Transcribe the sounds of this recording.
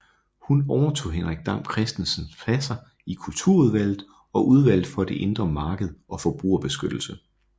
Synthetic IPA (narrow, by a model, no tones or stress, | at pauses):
hunɒʊɐt͡sʰo̝̰ːɦenʁaɡ̥̚d̥ɑ̈m̰kʰʁɛsd̥en̩sənfʰlæsɐ | ikʰult͡sʰuɐ̰uðˠʋæl̰ð̩ˠ | ɒ̽ʔuð̞ˠʋæl̰ð̩ˠfɒ̽d̥e̝ʔe̝nd̥ʁɐmɑ̈ːɡ̥əð̞̩ˠʔɒ̽fɒ̽b̥ʁṵːɐb̥e̝sɡ̥ød̥l̩sə